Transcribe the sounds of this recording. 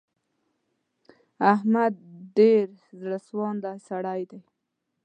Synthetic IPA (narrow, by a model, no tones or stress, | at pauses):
ahmad̪̚ɖeɾzɽaswɑnd̪asaɽajd̪aj